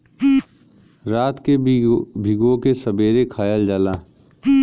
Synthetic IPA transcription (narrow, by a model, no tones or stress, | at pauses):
ɾaːt̪kebʱɪɡõkesəbeːɾekʰaːjəld͡ʒaːlaː